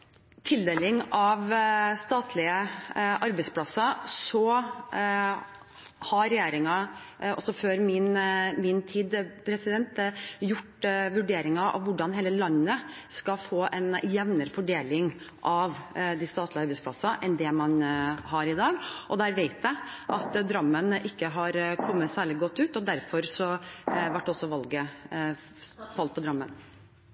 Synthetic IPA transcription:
t̪ʰɪld̪eːlɪŋɑʋst̪ɑːt̪ʰlɪəʔɑɾbɛɪspʰlɑsɑsɔ | hɑɾɛjeːɾɪŋɑ | ɔ̰sːɔføːɾmɪnmɪnt̪ʰiːd̪pʰɾɛsɪd̪ɛnt̪jʊʈːʋʉɖeːɾɪŋɑɑ̰ʋʋʊɖɑnɦeːləlɑnːə | skɑfoːʔɛ̰njɛʋnəɾəfɔɖeːlɪŋ | ʔɑʋd̪ist̪ɑːt̪lɪɑɾbɛɪspʰlɑsɑʔɛnd̪ɛmɑnɦɑɾɪd̪ɑːɡʔɔd̪æːɾʋeɪt̪æʔɑt̪d̪ɾɑmːənʔɪkːəɦɑɾkʰɔmːət̪sæːɭɪɡɔt̪ːʉːt̪ɔd̪æɾfɔɾsɔʋæʈːɔsːɔʋɑlɡə | fɑlt̪pɔd̪ɾɑmːə̰n

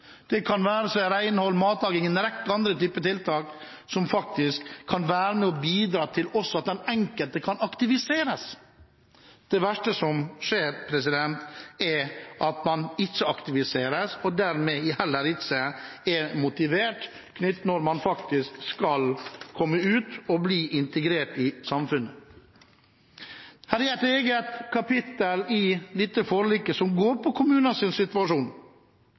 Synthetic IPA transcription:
d̪̥ɛkʰɑnʋæːɾəsɔɾæɪnəhɔlmɑːt̪lɑːɡɪŋənɪɾɛk̚t̪ɑnd̪ɾət̪yːpət̪ɪlt̪ʰɑːk | sɔmfɑk̚t̪ɪskʰːɑnʋæːɾəmɛɔbiːd̪ɾɑːt̪ʰɪlɔsːɔɑt̪̚d̪ɛnɛŋkəlt̪əkʰɑnɑkt̪ɪʋɪseːɾəs | d̪̥ɛʋæʂʈəsɔmʂeːɾpʰɾɛsɪd̪ɛnt̪ɛɾʔɑt̪mɑnɪt͡ʃːəɑkt̪ɪʋɪseːɾəsɔd̪æɾmɛɪhɛlːəɾɪsəɛmʊt̪ɪʋeːʈ | kʰnʏt̪ːnɔɾmɑnfɑkt̪ɪskskɑlkʰɔmːəʉːt̪ɔbliːʔɪnt̪əɡɾeːʈɪsɑmfʉnə | hæːɾææt̪eːɡət̪kʰɑpɪt̪əlɪlit̪ːəfoːɾliːkəsɔmɡoːɾpʰɔkʰʊmʉːnənsɪnsɪt̪ʉɑʂuːn

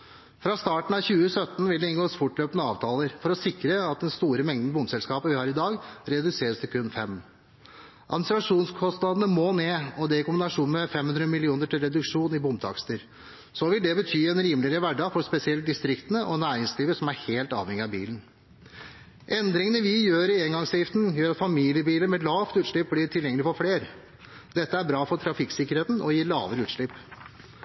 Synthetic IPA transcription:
fɾɑst̪ɑːʈn̩ɑʋçʉːəsœt̪ːn̩ʋɪld̪ɛɪnɡoːsfʊʈløːpənəɑːʋt̪ʰɑːləɾfɔɾɔsɪkɾəɑt̪̚d̪ɛnst̪uːɾəmɛŋd̪n̩bʊmsɛlskɑːpəʋɪhɑːɾɪd̪ɑːɡɾɛd̪ʉseːɾəst̪ʰɪlkʰʉnːfɛm | ʔɑ̰d̪mnɪsɾɑʂuːnskʰɔst̪nɑd̪ənəmoːneːɔd̪ɛɪkʊmbɪnɑʂuːn̩mɛfɛmhʉnd̪ɾəmɪlɪuːnəʈɪlɾɛd̪ʉkʂuːnɪbʊmt̪ʰɑ̰kst̪əɾ | sɔʋɪld̪ɛbət̪ʰyːɛnɾiːməlɪəɾəʋæɖɑɡfɔɾspɛsɪɛl̚d̪ɪst̪ɾɪkt̪ənəʔɔnæːɾɪŋsliːʋəɾʂɔmæɾheːlt̪ɑ̰ːʋhɛŋːɪɑbḭːlən | ʔɛnd̪ɾɪŋənəʋɪjøːɾɪɛŋɡɑŋsɛjɪft̪n̩jøːɾɑt̪fɑmiːlɪəbiːləmɛlɑːʋt̪ʉːt̪ʂɭɪp̚blɪʈʰɪljɛŋəlɪfɔɾfleːɾ | d̪ɛt̪ːəæɾbɾɑːfɔʈ̪ʰɾɑfɪksɪkːəɾheːt̪n̩ʔɔjiːɾlɑ̰ːʋəɾəʉːt̪ʂɭɪpː

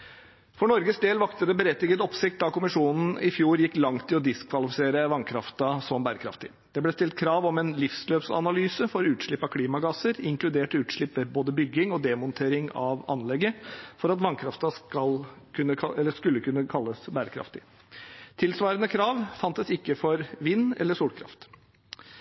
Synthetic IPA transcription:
fɔɳɔɾɡəsd̪eːlʋɑkt̪əd̪ɛbəɾɛt̪ːɪɡət̪ɔpsɪk̚t̪̚d̪ɑkʊmɪʂuːnn̩ɪfjuːɾjɪkːlɑŋt̪ʰːɪlɔd̪ɪskʰʋɑlɪfɪseːɾəʋɑŋkʰɾɑft̪ɑsɔmbæːɾəkʰɾɑ̰ft̪ɪ | d̪̥ɛblɛst̪ɪlt̪̚kʰɾɑːʋɔmɛnlɪfsløːpsɑ̰nɑlyːsəfɔɾɔʉːt̪ʂɭɪpːɑkʰliːmɑɡɑsəɾɪŋklʉd̪eːʈʉːt̪ʂɭɪpːəboːd̪əbʏɡɪŋɔd̪ɛmɔnt̪ʰeːɾɪŋɑʋɑ̰nlɛɡːəfɔɾɑt̪ʋɑnkʰɾɑft̪ɑskɑlkʰʉnːəkʰɑɛlːəskʉlːəkʉnːəkʰɑlːəsbæːɾəkʰɾɑ̰ft̪ɪ | t̪ʰɪlsʋɑːɾənəkʰɾɑːʋfɑnt̪əsɪkːəfɔɾʋɪnːɛ̰lːəʂuːlkʰɾɑ̰ft̪

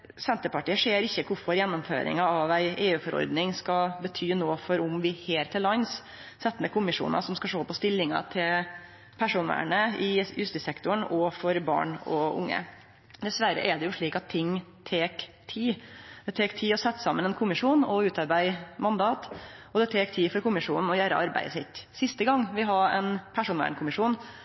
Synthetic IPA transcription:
sɛnt̪əpɑʈiːəʂeːɾɪçːəkʰʊɾfɔɾjɛnːɔmfø̰ːɾɪ̰ŋɑɑʋæɪʔeːʉːfɔɾɔ̰ɾd̪nɪŋskɑbət̪ʰyːnoːfɔɾʊmʋɪheːlɾt̪ʰɪlːɑns | sɛt̪ːənəkʰʊmɪʂṵːnɑ̰sɔmskɑʂoːpɔst̪ɪlːɪŋɑ̰t̪ʰɪl | pʰæʂuːnʋæ̰ːɳəɪjʉst̪ɪsɛkt̪ʊɳɔfɔɾbɑ̰ːɳɔʔʊ̰ŋːə̰ | d̪ɛsʋæɾə̰ʔɛɖ̪ɛjʊʂɭiːkɑt̪ʰːɪŋːt̪ʰeːk | t̪ʰiːd̪̥ɛt̪ʰeːkt̪ʰiːɔsɛt̪ːsɑmːənɛnkʰʊmɪʂuːnɔʉːt̪ɑɾbæɪmɑnd̪ɑːt̪ɔd̪ɛt̪ʰeːkt̪ʰiːfɔɾkʊmɪʂuːnn̩ɔjæːɾəʔɑɾbæ̰ɪəsɪt̪ːsɪst̪əɡɑŋːʋɪɦɑɾɛ̰npʰæʂuːnʋæ̰ːɳkʰʊmɪʂuːn

